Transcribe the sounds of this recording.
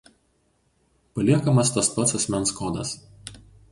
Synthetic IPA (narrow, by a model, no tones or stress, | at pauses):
pɐlʲiɛkɐmɐst̪ɐspɐsɐsʲmʲɛnskɔːd̪ɐ̰s